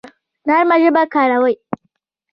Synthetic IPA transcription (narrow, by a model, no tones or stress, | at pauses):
naɾmaɾɪbakaːɽawaj